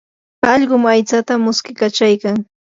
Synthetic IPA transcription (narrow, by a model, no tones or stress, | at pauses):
ɑʎɢʊmajt͡sat̪amʊskɪkat͡ʃajkaŋ